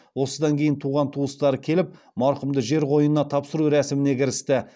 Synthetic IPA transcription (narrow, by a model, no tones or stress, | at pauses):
wo̞səd̪ɑŋkʲʰe̞jɪnt̪ʰuʁɑnt̪ʰuəst̪ɑɾəkʲʰe̞lɪp̚ | mɑɾqəmd̪əʒe̞ɾʁo̞jənənɑt̪ʰɑpsəɾuɾæsɪmɪne̞kʲʰɪɾɪst̪ɪ